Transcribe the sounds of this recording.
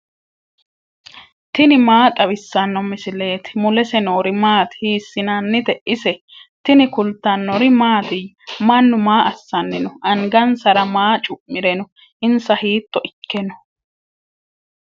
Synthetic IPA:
t̪ɪnɪmaːt̪ʼɐβɪsːɐnːɔmɪsɪle̞ːt̪ɪ̥mʊlɛsɛnoːɾɪmaːt̪hiːsːɪnɐnːɪt̪ɛʔɪsɛ | t̪ɪnɪkʊlt̪ːɐnːɔɾɪmaːt̪ɪmɐnːʊmaːʔɐsːɐnːɪnɔʔɐŋɡɐnsɐɾɐmaːt͡ʃʼʊʔmɪɾɛnɔ | ʔɪnsɐhiːt̪ːɔʔɪkːɛnɔ

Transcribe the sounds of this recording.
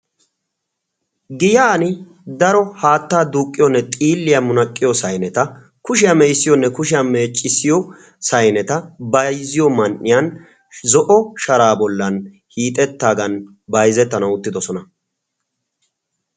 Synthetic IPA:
ɡɪjaːnɪ | d̪ɐɾɔhaːt̪ːaːd̪uːkʼːɪjɔnːɛt̪ʼiːlːɪjɐmʊnɐkʼːɪjɔsɐjnɛt̪ɐ | kʊʃɪjɐmɛjsːɪjɔnːɛkʊʃɪjɐme̞ːt͡ʃʼːɪsɪjɔ | sɐjnɛt̪ɐbɐjzɪjɔmɐnʔːɪjan | zɔʔɔʃɐɾaːbɔlːɐn | hiːt̪ʼɛt̪ːaːɡɐn | bɐjzɛt̪ːɐnɐwʊt̪ːɪd̪ɔsɔnɐ

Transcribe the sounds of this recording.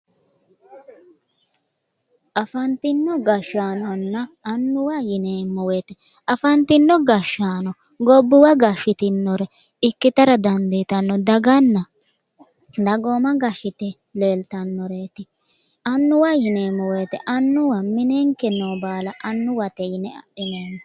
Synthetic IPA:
ʔɐfɐnt̪ɪnːɔɡɐʃːaːnɔnːɐːnːʊwajɪneːmɔweːt̪ɛ | ɐfɐnt̪ɪnːɔɡɐʃaːnɔ | ɡɔbːʊwɐɡɐʃɪt̪ɪnːɔɾɛ | ɪkːɪt̪ɐɾɐd̪ɐnd̪et̪ɐnːɔd̪ɐɡɐnːɐ | d̪ɐɡoːmɐɡɐʃɪt̪ɛ | le̞ːlt̪ɐnːɔɾeːt̪ɪ | ɐnːʊwajɪneːmɔweːt̪ɛ̰ʔɐnːʊwɐmɪneŋkɛnːoːbaːlɐʔɐnːʊwɐt̪ɛjɪnɛɐ̰ɗɪnoːnɔ

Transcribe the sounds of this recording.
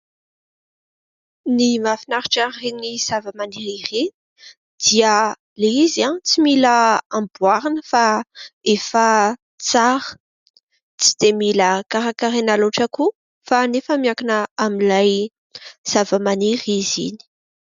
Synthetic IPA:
nimafinaɾiʈ͡ʂareniz̥avəmaniɾireni | d̪̥iə | leizãt͡similəambuaɾinəfaefə | t͡saɾə̥ | t͡sid̪̥emiləkaɾakaɾenaluʈ͡ʂəku | fanefəmiakanəamilaj | z̥avəmaniɾizḭni̥

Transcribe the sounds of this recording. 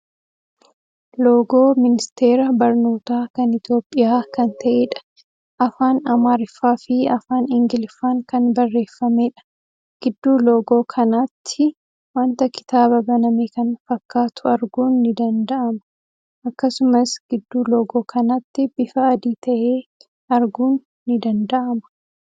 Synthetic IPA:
lo̞ːɡo̞ːmɪnɪst̪e̞ːɾɐbɐɾnoːt̪aːkɐnɪt̪jo̞ːpʼːɪjaːkɐnt̪ʰɐʔeːᶑɐ̥ | ʔɐfaːnɐmaːɾɪfaːfɪɐfaːnɪŋɡɪlfaːŋkɐnbɐrːe̞ːfːɐmeːᶑɐ̥ | ɡ̥ɪd̪ːuːloːɡo̞ːkʰɐnat̪ʰːɪ | wɐnt̪ɐkɪ̥t̪aːbɐbɐnɐmeːkɐnfɐkːaːt̪ʰʊɐɾɡuːnːɪd̪ɐnd̪ɐʔɐmɐ̥ | ʔɐkːɐsʊmɐsɡ̥ɪd̪ːuːloːɡo̞ːkʰɐnɐt̪ːɪbɪfɐːd̪iːt̪ɐʔeː | ɐɾɡuːnː | ɪd̪ɐnd̪ɐʔɐmɐ̥

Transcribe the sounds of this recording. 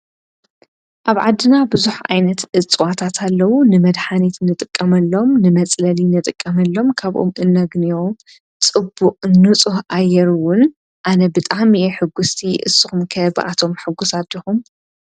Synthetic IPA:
ʔaβʕad̪ːɨnabɨzuħa̰jnɐt̪ʔɨt͡sʼwat̪ʰat̪ʰalːɐwunɨmɐd̪ħanit̪nɨt̪ʼɨkʼːɐmɐlːo̞mnɨmɐt͡sʼlɐlinɨt̪ʼɨkʼːɐmɐlːo̞mkʰaβʔo̞̰mʔɨnːɐɡnio | t͡sʼɨbːuqʼnɨt͡sʼuhʔajɛɾuwʊn | ʔanɐbɨt̪ʼaʕmieħɨɡust̪ʰiʔɨ̰sɨxumkʰɐbɨ̰ʔa̰t̪ʰo̞mħɨɡːusad̪ixum

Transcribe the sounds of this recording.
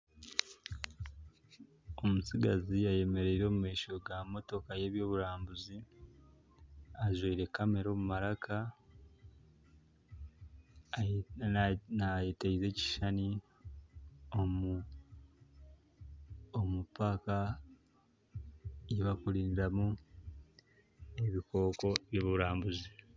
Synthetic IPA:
o̞musiɡaziaje̞me̞ɾe̞iɾo̞ːmumeːʃoɡamo̞to̞kaje̞ːβjo̞ːβuɾaːmbuzi | aʒweiɾe̞kame̞ɾo̞ːmumaɾakʰa | najeteize̞ːci̥ʃani | o | omupaːka | jeβakuɾiːndiɾamu | e̞βiko̞ːko̞βjoːβuɾaːmbuzi

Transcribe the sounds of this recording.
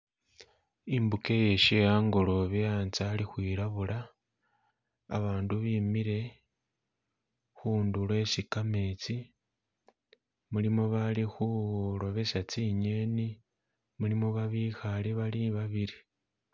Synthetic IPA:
imbuke̞je̞ʃejaːŋɡo̞lo̞βejant͡salixwiːɾaβuɾa | βaːnduβiːmiɾe̞ | xuːndule̞sikame̞t͡si | mulimo̞βalixuɾo̞βe̞sat͡siɲeni | mulimoβaβixaleβaliβaβiɾi

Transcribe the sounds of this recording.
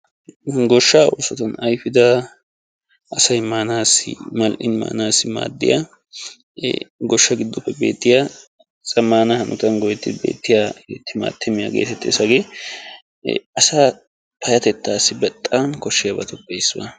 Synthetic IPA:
ɡɔʃːaːuːsɔt̪ɐnɐjfɪd̪ɐ | ʔɐsɐjmaːnaːsɪ̰mɐlʔɪnma̰ːnaːsɪma̰ːd̪ːɪ̰ja | ɡɔʃːɐɡɪd̪ːʊpːɛbe̞̰ːt̪ːɪja | t͡sʼɐmːaːnɐhɐnʊt̪ɐnɡɔjɛt̪ːɪbe̞̰ːt̪ːɪjat̪ːɪma̰ːt̪ʰːɛmɪja̰ːɡe̞̰ːt̪ɛt̪ːeːsɐɡeː | ɐsa | pʰɐjɐt̪ɛt̪ːaːsːɪbɛt̪ʼːankɔʃːɪjɐbɐt̪ɔpːɛjsmɐ̰

